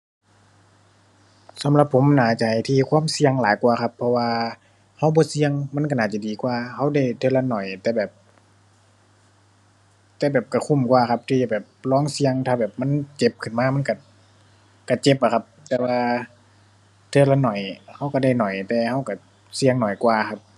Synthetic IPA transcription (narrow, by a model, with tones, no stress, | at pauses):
sa˨˦mla˧pʰːo˨˦mnaː˧˩t͡ɕa˨˧˩ha˨˩jt̪ʰiː˧kʰwaː˧˥˨msi˧əŋlaː˨˦jkwaː˧˩kʰa˧pʰːɔ˧waː˧ | ha˧˥˨wbɔː˧˦si˧əŋma˧˥˨nka˧˩naː˧˩t͡ɕa˧˨diː˨˩kwaː˧˩ha˧˥˨wda˧˩jt̪ʰɤː˧la˧nɔ˨˩jt̪ɛː˧bɛː˨˩p̚ | t̪ɛː˧bɛː˨˩p̚ka˧˩kʰu˧˩˨mkwaː˧˩kʰa˧p̚t̪ʰiː˧˩a˧˩bɛː˨˩p̚lɔː˧˥˨ŋsi˧əŋt̪ʰaː˧˩bɛː˨˩p̚ma˧˥˨nt͡ɕe˧p̚kʰɯ˨˩nmaː˧˥˧ma˧˥˨nka˧˩ | ka˧˩t͡ɕe˧˦p̚ʔa˧˩kʰa˧p̚t̪ɛː˧waː˧ | t̪ʰɤ˧˩la˧nɔ˨˩jha˧˥˨wka˧˩da˧˩jnɔ˨˩jt̪ɛː˧ha˧˥˩wka˧˩ | si˧əŋnɔ˨˩jkwaː˧kʰa˧˥p̚